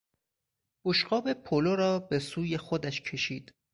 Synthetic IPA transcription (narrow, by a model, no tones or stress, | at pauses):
b̥oʃɢɒːbe̞pʰoloɾɒːbe̞suːje̞xod̪æʃcʰe̞ʃiːd̪̥